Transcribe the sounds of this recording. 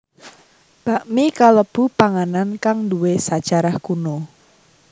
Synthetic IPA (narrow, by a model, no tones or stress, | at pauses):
b̥a̤ʔmikaləb̥ṳpaŋanankaŋduwesad̥ʒ̥a̤ɾahkuno